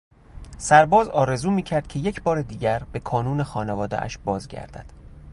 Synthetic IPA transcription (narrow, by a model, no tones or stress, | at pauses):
sæɾbɒːzɒːɾe̞zuːmiːcʰæɾd̪̥̚cʰe̞je̞cʰbɒːɾed̪iːɟæɾb̥e̞kʰɒːnuːne̞xɒːnevɒːd̪ḛʔæ̰ʃbɒːzɟæ̰ɾd̪æ̰d̪̥